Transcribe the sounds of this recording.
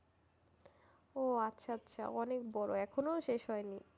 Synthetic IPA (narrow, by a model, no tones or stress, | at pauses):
oatːɕʰaatːɕʰa̰ɔnekbɔɾoɛkʰonoʃeʃɦɔeni